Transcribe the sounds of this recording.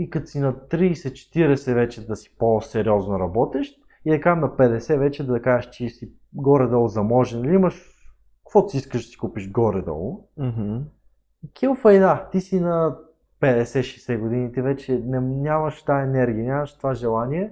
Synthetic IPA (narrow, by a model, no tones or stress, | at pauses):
ikɐt̪osinɐt̪ɾiːsɛt͡ʃɛ̥t̪iɾɛsɛvɛt͡ʃɛd̪ɐsi̥posɛɾjɔznoɾɐbɔt̪ɛʃt̪̚ | id̪ɛkamnɐpɛd̪ɛsɛvɛt͡ʃɛd̪ɐɐkaɛʃt͡ʃisi | ɡɔɾɛd̪ɔlˠzɐmɔʒɛnɐliiməʃ | kkvɔt̪siiskəʒd̪ɐ̥si̥kupiʃɡɔɾɛd̪ɔ̰lˠm̩ɦ̩ | kʲʰilˠfɐjd̪at̪isinɐ | pɛd̪ɛsɛʃɛsɛɡʊd̪init̪ivɛt͡ʃɛnɛnʲamɐʃt̪aɛnɛɾɡʲiɐnʲamɐʃt̪ovaʒɛlˠaniɛ